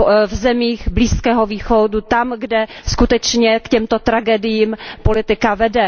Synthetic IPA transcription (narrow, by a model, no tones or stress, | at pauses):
vzɛmiːɣbliːskɛːɦoviːxodut̪amɡdɛ | skut̪ɛt͡ʃɲɛkcɛmt̪o̞t̪ɾaɡɛdɪjiːmpo̞lɪt̪ɪkavɛdɛ